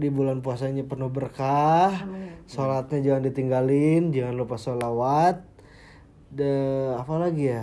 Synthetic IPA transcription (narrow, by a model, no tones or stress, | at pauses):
dibulanpuasaɲapərnʊhbərkahsolat̪̚ɲad͡ʒaŋandit̪iŋɡalɪnd͡ʒaŋanlupasolawat̪̚ | dəapalaɡija